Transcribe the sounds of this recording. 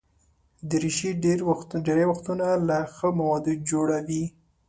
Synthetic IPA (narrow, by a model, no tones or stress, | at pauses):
d̪əɾiʃiɖeɾɖeɾajwaxt̪unalaxəmawɑd̪ud͡ʒoɽawi